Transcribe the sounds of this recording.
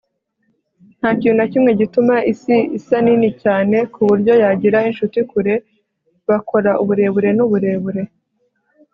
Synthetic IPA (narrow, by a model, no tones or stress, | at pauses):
n̥haːciːnunacimŋe̞ɟitumaʔisiisaninicaːne̞kuβuɾɟo̞jaɟiɾainʃutikuɾe̞ | βako̞ɾaʔuβuɾe̞βuɾe̞nuβuɾe̞βuɾe̞